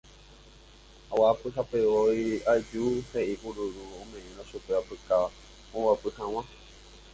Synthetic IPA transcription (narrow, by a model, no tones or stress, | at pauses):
awapɨɦapeoiad͡ʒuheʔiʔuɾuɾuõmẽʔẽɾ̃õʃupeapɨkaa | õwapɨhãw̃ã